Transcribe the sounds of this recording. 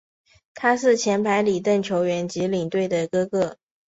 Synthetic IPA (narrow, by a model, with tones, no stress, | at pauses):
t̪ʰa˥ʂɻ̩˥˩t͡ɕʰjɛ˧˥npʰa˧˥ɪli˨˩t̪ə˥˩ŋt͡ɕʰjo˧˥ʊɥɛ˧˥nt͡ɕi˧˥li˨˩ŋt̪we˥˩ɪd̪ə˩kɤ˥kɤ˥˩